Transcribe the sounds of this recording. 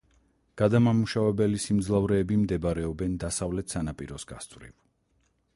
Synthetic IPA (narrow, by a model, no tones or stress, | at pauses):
ɡ̥ad̪amamuʃavɛbɛlisimd̪zlˠavɾɛːbimd̪ɛbaɾɛɔbɛnd̪asavlɛt̪ʰsanapʼiɾɔsɡ̥a̰st̪ʼvɾḭv